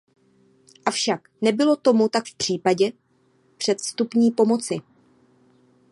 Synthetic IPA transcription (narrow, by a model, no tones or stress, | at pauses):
ʔafʃaknɛbɪlo̞t̪o̞mut̪akfpr̝̥iːpaɟɛ | pr̝̥ɛt̪st̪upɲiːpo̞mo̞t͡sɪ